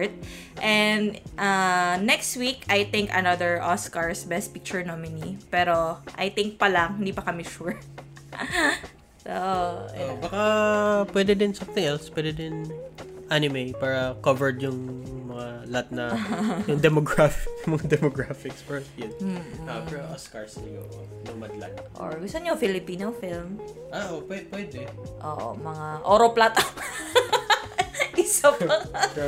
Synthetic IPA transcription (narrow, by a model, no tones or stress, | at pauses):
t̪̚ | ʔɛnd̪ʔanɛkst̪wikajt̪ɪ̃ŋkɐ̰nɐd̪əɹʔoskɐɹsbɛst̪̚pik̚t͡ʃʊɹnomɪnipɛːɾoʔajt̪ɪŋk̚pɐlɐŋhɪnd̪iːpɐkɐmɪʃuɹ | soʔobakɐpwɛd̪ɛd̪ɪnsɐ̃mt̪ɪ̃ŋɛlspwɛd̪ɛd̪ɪnʔanɪmejpaːɾɐkovɛɹd̪jʊŋmɐŋalɐat̪̚nɐjʊŋd̪ɛmoɡɹafɪkjʊŋmɐŋad̪ɛmoɡɹafɪkspɛɹsjɪn̩ɐpɛoʔɐskaɹslɪjo̰ʔo | nɐŋmɐd̪la̰t̪̚ʔo̰ɹɡʊsɐnofɪlɪpiːnofilm | ʔaʔopwɛpwɛd̪ɛʔoːʔo̰mɐŋaʔoːɾoplat̪ɐ | ʔɪsɐp